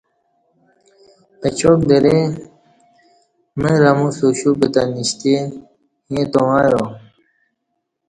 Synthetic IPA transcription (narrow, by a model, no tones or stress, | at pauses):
pet͡ɕok̚d̪eɾe | meɾɐmusuɕupet̪aniɕt̪e | jẽt̪owajo